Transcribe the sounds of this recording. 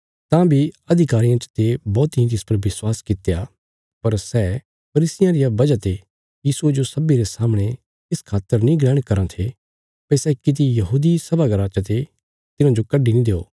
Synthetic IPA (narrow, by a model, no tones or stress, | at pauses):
t̪ãːbʱiɐd̪ʱɪkaːɾɪjãt͡ʃt̪ebɔːt̪iĩt̪̬ɪspɐɾʋɪswaːskɪt̪eja | pɐɾsɛː | pʰɐɾiːsɪjãɾɪjabɐd͡ʒat̪e | jiːsued͡ʒosɐbiɾesaːmɽ̃e | ɪskʰaːt̪ːəɾnĩɡɽɛːɽ̃kɐɾãt̪ʰe | pɐsɛkɪt̪̬ijɐɦuːd̪isɐbaɡɐɾaːt͡ʃat̪e | t̪ɪnãd͡ʒokɐɖinĩd̪eːo̰ː